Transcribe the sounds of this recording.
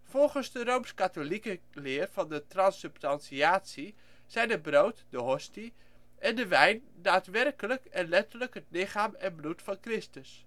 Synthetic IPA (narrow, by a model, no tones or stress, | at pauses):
fɔlˠχənzdərowmskatolikə | lɪːərv̥ɑndətrɑnsɵpstɑnsiaːtsi | sɛjnəbrowtdəɦɔsti | ʔɛndəʋɛjn | daːtʋɛrkələkɛnlɛtələkɦətlɪχaːmɛnblutfɑnkrɪstəs